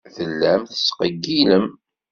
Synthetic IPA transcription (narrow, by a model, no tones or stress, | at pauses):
θəlːæmθə̥sqəɡːiləm